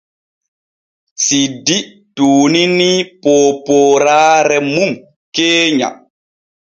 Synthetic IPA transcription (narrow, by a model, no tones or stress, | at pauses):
sidi | tuːninipoːpɔːɾaːɾɛmum | keːɲa̰